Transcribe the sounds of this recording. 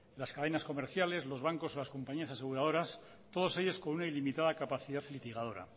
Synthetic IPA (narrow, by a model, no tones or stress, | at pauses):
laskaðe̞nasko̞meɾθjale̞zlo̞zβ̞aŋko̞solasko̞mpaɲiasase̞ɣuɾað̞o̞ɾas | t̪o̞ð̞o̞se̞ʎo̞sko̞nunailimit̪aðakapaθiðaθlit̪iɣ̞að̞o̞ɾa̰